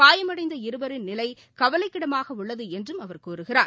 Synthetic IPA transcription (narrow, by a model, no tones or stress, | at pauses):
paːjɐmɐɽɐɪnd̪ɐɪɾɯbɐɾɪnnɪlɐɪ | kɐʋɐlɐɪkːɪɽɐmaːɣɐʊɭːɐðɯɛndrɯmɐʋɐɾkuːɾɯɣɪɾaː